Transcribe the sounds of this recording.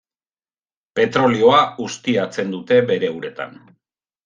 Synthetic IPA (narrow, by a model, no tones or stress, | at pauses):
pe̞t̪ɾo̞lio̞aust̪iat͡se̞nd̪ut̪e̞be̞ɾe̞uɾe̞t̪a̰n